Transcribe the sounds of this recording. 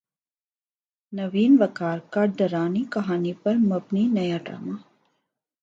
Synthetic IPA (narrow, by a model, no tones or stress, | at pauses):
nɐʋiːnʋɐkaːɾkɐɖd̪ɐɾaːnikɐɦaːnipɐɾmɐbniːnɐjaːʈɾa̰ːma